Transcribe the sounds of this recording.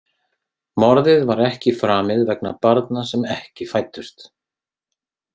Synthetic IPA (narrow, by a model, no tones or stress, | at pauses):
mɔɾðɪðvaɾɛhcɪfɾaːmɪðvɛkna̰paɾt̪nasɛmɛhcɪfaːjt̪ːʏst̪